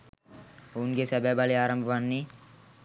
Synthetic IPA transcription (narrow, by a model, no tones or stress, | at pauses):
ounɡesɛbɛbaleaːɾɐmbʱɐʋanːi